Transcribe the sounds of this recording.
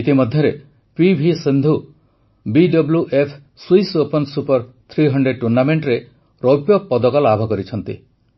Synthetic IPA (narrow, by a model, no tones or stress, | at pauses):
it̪imɔd̪ʱjɔɾe | pibʱisind̪ʱu | biɖɔbljuʔepʰ | swijsopɔnsupɔɾ | t̪ʰɾiɦɔɳɖɾeɖ̚ʈuɾnameɳʈɾe | ɾopjɔpɔd̪ɔkɔlɔabʱɔkɔɾit͡ʃʰɔnt̪ḭ